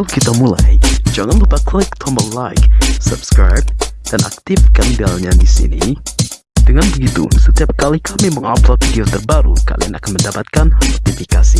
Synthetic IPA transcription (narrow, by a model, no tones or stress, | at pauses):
alkit̪amula̰jd͡ʒaŋanləpat̪̚kʰlɪk̚t̪ʰɔməlajksə̰bskɾa̰jb̚d̥ana̰k̚t̪ifkandiallɲadisḭnḭ | dəŋanbəɡit̪ṵsət̪iap̚kalikamiməŋa̰plot̪̚dit̪ərbaɾṵka̰lḭanakanməndapat̪̚kanat̪ifikasi